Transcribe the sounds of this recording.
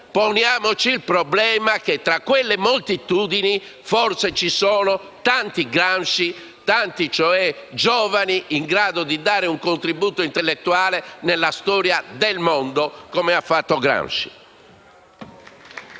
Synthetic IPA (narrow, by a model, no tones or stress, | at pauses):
ponjaːmot͡ʃiːlpɾɔblɛːmak̟et̪ɾakːwelːemolt̪it̪uːd̪ini | fɔɾt̪set͡ʃisɔːno | t̪ant̪iɡɾanʃi | t̪ant̪it͡ʃɔɛd͡ʒɔːvaniːŋɡɾaːd̪od̪id̪aːɾeuŋkont̪ɾibuːt̪oint̪ɛlːet̪ːuaːlenelːast̪ɔːɾjad̪ɛlmɔnd̪okomɛafːat̪ːoɡɾa̰nʃi̥